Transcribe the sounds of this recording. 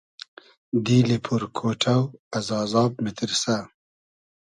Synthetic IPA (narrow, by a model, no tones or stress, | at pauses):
d̪ilipʰuɾkʰoʈʰawazɑːzɑːb̚mɪt̪ɪɾsa